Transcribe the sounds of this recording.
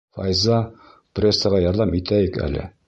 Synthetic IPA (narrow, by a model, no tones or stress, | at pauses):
fɑ̰jzɑ | prʲe̞sːəʁɑjɒɾðɑmit̪æjɘkæ̰lɘ̰